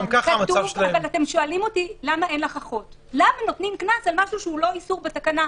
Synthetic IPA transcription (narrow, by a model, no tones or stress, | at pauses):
mkaχamatuavavalat̪e̞mʃoalimo̞tilamae̞nleχaχo̞t | lamano̞tnimknasalmaʃuʃeulo̞isuʁbetakana